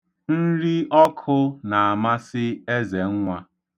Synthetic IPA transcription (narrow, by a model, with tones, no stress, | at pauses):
n̩˦ɾi˦ʔɔ˦kʰʊ˦na˨a˨ma˦sɪ˦e˦ze˨ŋ̩˦ŋʷa˦